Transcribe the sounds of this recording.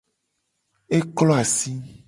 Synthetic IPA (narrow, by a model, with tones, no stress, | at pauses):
e˦klɔ˦a˨si˦